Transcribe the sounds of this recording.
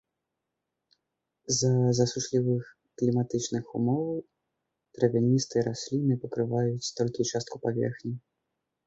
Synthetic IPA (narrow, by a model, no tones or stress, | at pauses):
zɐzɐsuʂlʲivɨx | klʲimat̪ɨt͡ʂnɨxumɔvɐw | t̪ɾɐvʲinʲist̪ɨɾʔasʲlʲinɨpɐkɾɨvajut͡sʲt̪ɔlʲkʲit͡ʂast̪̚kupavʲɛ̰rxnʲi